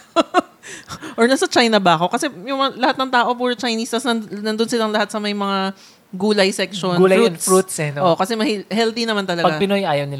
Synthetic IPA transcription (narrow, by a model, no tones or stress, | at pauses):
ʔoɹnɐsɐt͡ʃajnɐbɐɐko̞kɐsɛjʊŋmɐŋlɐhat̪nɐŋt̪aːʔo̞puːɾɐt͡ʃɐjniːst̪ɐsnɐnɐnd̪onsɪlaŋlɐhat̪̚sɐmɐjmɐŋa | ɡuːlɐjsɛkʃonɡuunfɾut̪sɛnʔoʔkɐsɛmɐhihɛlt̪inɐmant̪ɐlɐɡpɐɡapɪnojaːjɐwnɪl